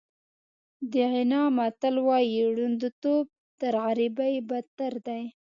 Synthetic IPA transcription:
d̪əʕɪnɑmat̪alwɑjiɽund̪ot̪ob̚t̪əɾɣaɾibajbat̪aɾd̪aj

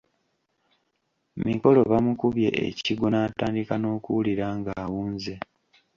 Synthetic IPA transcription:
miko̞lo̞βamukuβje̞̰ʔḛciɡo̞naːtaːndikano̞ːkuwuliɾaːŋɡaːwuːnze̞

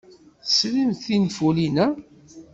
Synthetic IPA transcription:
slinθinfulinæ

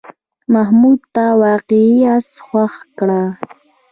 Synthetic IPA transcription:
mahmud̪̚t̪awɑqiasxwaχkɽa

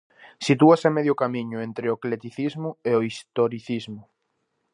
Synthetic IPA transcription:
sit̪̬uasameðjʊkamiɲʊent̪ɾeoklet̪iθizmʊeoist̪oɾiθizmʊ

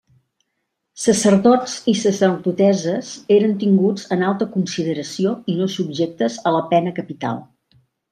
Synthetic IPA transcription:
səsəɾðɔd͡zisəsərðut̪ɛzəzeɾənt̪iŋɡud͡zənalˠt̪əkunsiðəɾəsioinosubʒek̚t̪əzələpɛnəkəpit̪a̰lˠ

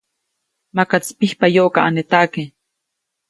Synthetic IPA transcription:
makat͡spihpajoʔkaʔanet̪ake

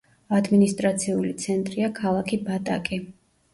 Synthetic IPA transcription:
ad̪minist̪ʼɾat̪sʰiulit̪sʰɛnt̪ʼɾiakʰalˠakʰibat̪ʼa̰kʼi

